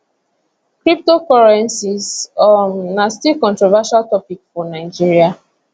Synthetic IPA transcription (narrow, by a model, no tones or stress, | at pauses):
kɹip̚tokɔɹɛ̃nsisɔnastikɔ̃ntɹɔvaʃaltɔpikfɔnaɪd͡ʒiɹia